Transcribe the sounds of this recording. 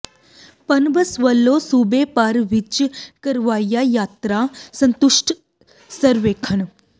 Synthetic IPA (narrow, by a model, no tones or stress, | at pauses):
pɐnbəsʋəlːoːsuːbepaːɾʋɪt͡ʃkɐɾʋaːjajaːt̪ɾasɐ̃nt̪ʊʃʈ | səɾʋeːkʰəɳ